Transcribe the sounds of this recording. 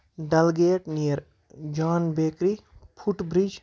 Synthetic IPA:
ɖɐlɡeːʈnijəɾ | d͡ʒaːnbeːkɾipʰuʈbɾid͡ʒ

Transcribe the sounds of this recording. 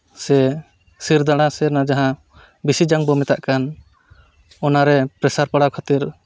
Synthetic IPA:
sɛ | siɾd̪aɽ̃asɛnad͡ʒaɦã | bisid͡ʒaŋbɔmɛt̪aʔkan | ɔnaɾɛpɾɛsaɾpaɽawkʰat̪iɾ

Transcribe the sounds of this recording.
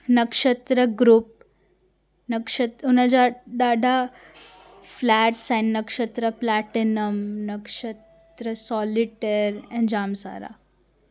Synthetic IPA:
nɐkʂɐt̪ɾɐɡɾup̚ | nɐkʂɐt̪unɐd͡ʒaɖaɖa | flæʈsajnːɐkʂət̪ɾɐplaʈinəmnɐkʂɐt̪ | ɾɐsɔliʈeɾɛ̃ɳd͡ʑaːmsa̰ɾa̰

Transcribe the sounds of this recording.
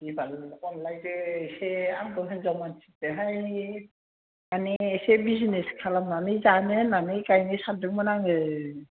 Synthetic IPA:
ibalkɔnlajdɯːseaŋɡɔɦɯnzamansi̥t̚ɯɦaj | aniesebizineskʰalamnanizanɯnanikajnisadɯk̚mɯnaŋɯ

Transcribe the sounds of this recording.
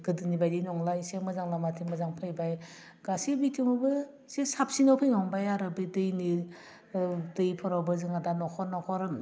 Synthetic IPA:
ɡɯdɯnibajdinɔŋlajsemɯzaŋlamatʰimɯzaŋpʰajbaj | ɡ̥asibitʰiŋbɯ | sesap̚sinawpʰɯjnɔŋbajaɾɯbɯdɯjni | dɯjpʰɔɾawbɯzɯŋadanɔkʰɔɾnɔkʰɔɾ

